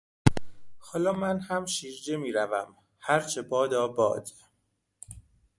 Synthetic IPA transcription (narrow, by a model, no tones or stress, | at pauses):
hɒːlɒːmænhæmʃiːʒd͡ʒemiːɾævæm | hæɾt͡ʃʰebɒːd̪ɒːbɒ̰ːd̪̥